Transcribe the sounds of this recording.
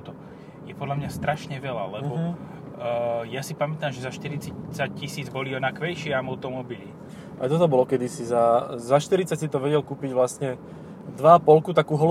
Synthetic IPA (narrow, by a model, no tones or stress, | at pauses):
t̪ɔ | jɛpɔd̪lamɲast̪ɾaʃɲɛʋɛla̰lɛbɔ | jasipamɛt̪aːmʒɛzaʃt̪iɾit͡sat͡sac̚cisiːd͡zbɔliɔnakʋɛjʃɪɛamɔʊt̪ɔmɔbili | ʔa̰jt̪ɔt̪ɔbɔlɔkɛd̪isizazaʃt̪iɾit͡sacsit̪ɔʋɛɟɛlkuːpiɟʋlast̪ɲɛ | d̪ʋaːpɔlkut̪akuːɦɔl